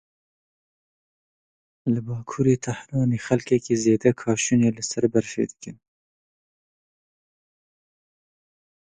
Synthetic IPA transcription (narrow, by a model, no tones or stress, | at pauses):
lɨbɑːkʰuːɾeːt̪ʰahɾɑːneːxɛlkɛkiːzeːd̪ɛkʰɑːʃuneːlɨsɐɾbɛɾfḛːd̪ɨ̥kɨn